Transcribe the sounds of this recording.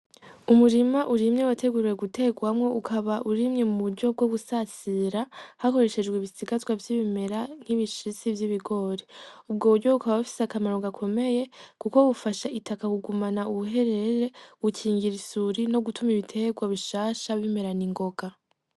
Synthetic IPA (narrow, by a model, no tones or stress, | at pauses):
umuɾimaʔuɾimɲe̞watʰe̞ɡuɾiɾeɡute̞ɡwamŋo̞ʔukʰaβaʔuɾimɲe̞muβuɾɟo̞b̚ɡo̞βusat͡siɾahako̞ɾe̞ʃe̞d͡ʒɡweβisiɡazwavjiβime̞ɾan̥hiβiʃit͡sivjiβiɡo̞ɾeub̚ɡo̞ːβuɾɟo̞ukaβaβafi̥seakamaɾo̞ɡakʰo̞me̞je̞kuko̞βufaʃaitakakuɡumanauβuɦe̞ɾeɾe̞wucʰiːŋɡiɾisuɾino̞ɡutumiβitʰe̞ɡwaβiʃaːʃaβime̞ɾaniŋɡo̞ɡa